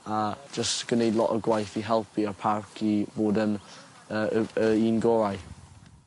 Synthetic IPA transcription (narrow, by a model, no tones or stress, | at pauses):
ḁd͡ʒəstɡ̥ənejdˡlˠɔ̰ʔəɡwajθiɦɛlˠpʰiəpʰarkʰiboːdən | əəinɡɔɾaj